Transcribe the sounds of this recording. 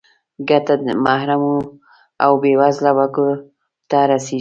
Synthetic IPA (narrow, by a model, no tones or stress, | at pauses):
ɡat̪amahɾamu | a̰wbewazlawako | t̪aɾase